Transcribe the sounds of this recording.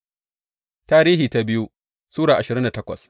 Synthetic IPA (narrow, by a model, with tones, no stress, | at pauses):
taː˦ɾiː˦hiː˨ta˦bɪ˦ju˦ | suː˦ɽaː˨ʔa˨ʃɪ˨ɾɪ˦nda˨tɐ˦kʷɐ̰˨s